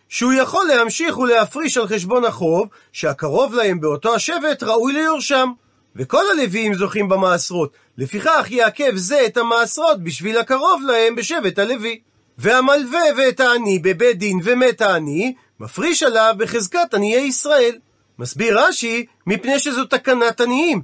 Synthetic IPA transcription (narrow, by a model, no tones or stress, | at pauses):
ʃehujaχo̞lːe̞hamʃiχulehafʁiʃalχe̞ʃ̬bo̞naχo̞v | ʃeakaʁo̞vlahe̞mbeo̞to̞aʃe̞ve̞tʁaujlejoʁʃam | veko̞lale̞viimzo̞χimbamaːsʁo̞t | le̞fiχaχjeake̞vze̞ːtamaːsʁo̞t̪̚biʃvilhakaʁo̞vlahe̞mbe̞ʃe̞ve̞thale̞vi | veamalve̞vetaːnibe̞bed̪inve̞metaːni | mafʁiʃalavbeχe̞zkatanijejisʁae̞l | masbiʁaʃi | mipne̞jʃezo̞t̪akanataniim